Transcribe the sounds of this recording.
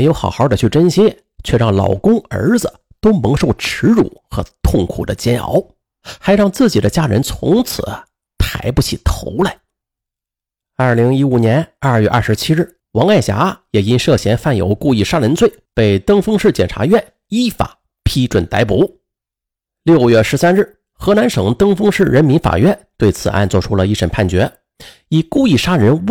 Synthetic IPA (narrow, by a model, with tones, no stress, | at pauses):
e˧˥ɪjo˧˥ʊxɑ̰˨˩ʊxɑ˥˩d̪ə˨t͡ɕʰy˥˩ʈ͡ʂə˥nɕɛ˥ | t͡ɕʰɥɛ˥˧ɻɑ˥˩ŋlɑ̰˨˩ʊkʊ˥ŋə̰˞˧˥d͡zɹ̩˧ | t̪o˥ʊmɤ˧˥ŋʂo˥˩ʊʈ͡ʂʰɻ̩˧˥ɻṵ˨˩˦xɤ˧˥t̪ʰʊ˥˩ŋkʰṵ˨˩d̪ə˦t͡ɕjɛ˥nʔɑ̰˧˥ʊ | xa˧˥ɪɻɑ˥˧ŋt͡sɹ̩˥˩t͡ɕi˨˩d̪ə˦t͡ɕja˥ɻə̰˧˥nt͡sʰʊ̰˧˥ŋt͡sʰɹ̩̰˨˩˦ | t̪ʰa˧˥ɪpu˧t͡ɕʰḭ˥˩t̪ʰo̰˧˥ʊla˧˩ɪ | ɐ˞˥˩li˧˥ŋi˥u˨˩njɛ˧˥nɐ˞˥˧ɥɛ˥˧ʔɐ̰˞˥˧˩ʂɻ̩˧˥t͡ɕʰi˥ɻ̩˥˩ | wɑ˧˥ŋa˥˩ɪɕja̰˧˥jɛ˨˩i˥nʂɤ˥˩ɕjɛ˧˥nfa˥˩njo̰˧˥ʊku˥˧i˥˩ʂa˥ɻə˧˥nt͡swe˥˩ɪpe˥˩ɪt̪ɤ˥ŋfɤ˥ŋʂɻ̩˥˩t͡ɕjɛ˨˩nʈ͡ʂʰa̰˧˥ɥɛ˥˩n | i˥˩fa̰˨˩˦ | pʰi˥ʈ͡ʂwə˨˩nt̪a˧˥ɪpu˧˥ | ljo˥˧˩ʊɥɛ˥˩ʂɻ̩˧˥sa˥nɻ̩˥˩ | xɤ˧˥na˧˥nʂɤ˧˩ŋt̪ɤ˥ŋfɤ˥ŋʂɻ̩˥˩ɻə˧˥nmi˧˥nfa̰˨˩ɥɛ˥˩nt̪we˥˩ɪt͡sʰɹ̩˨˩ʔa̰˥˧nt͡swɔ˥˩ʈ͡ʂʰu˥lə˧i˥˩ʂə˨˩npʰa˥˩nt͡ɕɥɛ˧˥ | i˨˩ku˥˧i˥˩ʂa˥ɻə˧˥n